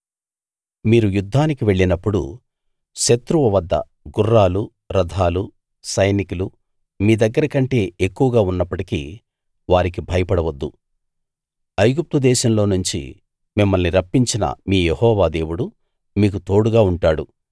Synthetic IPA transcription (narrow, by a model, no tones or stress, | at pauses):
miːɾujud̪ʱːaːnikiʋe̞ɭːinɐpːuɽṵ | ʃɐt̪ɾuʋɐʋɐd̪ːɐ̰ | ɡurːaːlu | ɾɐd̪ʱaːlu | sɐjnikulu | miːd̪ɐɡːɐɾɐkɐɳʈe̞ːekːuʋɐɡaːunːɐpːɐʈikḭ | ʋaːɾik̬ibʱɐjɐpɐɽɐʋɐd̪ːu | ɐjɡup̚t̪ud̪ɛːʃɐmlo̞ːnuɲt͡ʃḭ | mimːɐlniɾɐpːiɲt͡ʃinɐ̰miːjehɔːʋaːd̪e̞ːʋuɽu | miːk̬ut̪o̞ːɽuɡaːuɳʈaːɽu